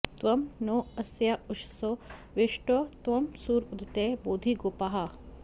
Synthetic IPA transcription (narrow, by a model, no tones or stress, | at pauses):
t̪ʋɐmnoɐsjaʊʃsoʋeʃʈɐt̪ʋɐmsuːɾud̪t̪eboːd̪ʱiɡoːpaɦɐ